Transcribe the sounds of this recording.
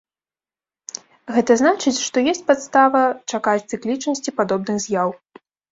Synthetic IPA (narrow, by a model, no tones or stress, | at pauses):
ɣɛt̪ɐznat͡ʂɨt͡sʲʂt̪ɔjesʲt͡sʲpat̪st̪avɐt͡ʂakat͡sʲt̪sɨklʲit͡ʂnɐsʲt͡sʲipad̪ɔbnɨɣzʲjaw